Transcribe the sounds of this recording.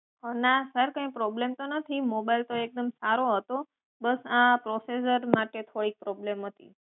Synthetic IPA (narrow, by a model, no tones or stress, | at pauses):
ɦənasəɾkə̃ĩpɾɔblemt̪onət̪ʰimobailt̪oek̚d̪əmsaɾoɦət̪o | bəsãpɾosesəɾmaʈet̪ʰoɽik̚pɾɔblemɦət̪ḭ